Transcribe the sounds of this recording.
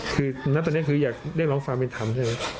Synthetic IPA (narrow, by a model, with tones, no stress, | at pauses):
kʰɯː˧na˦˥t̪ɔː˧˨ni˦˥˨kʰɯː˧jaː˨˩k̚ɾi˥˩k̚lɔː˦˥ŋfaː˧ŋpe˧nt̪ʰa˧mt͡ɕʰaː˥˩ma˦˥